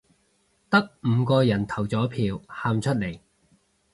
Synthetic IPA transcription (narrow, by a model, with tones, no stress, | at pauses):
t̪ɐ˥k̚m̩ː˨˧kɔː˧jɐ˨˩nt̪ʰɐ˨˩wt͡sɔː˨˥pʰiː˨˧whaː˧mt͡ʃʰɵ˥t̚le˨˩j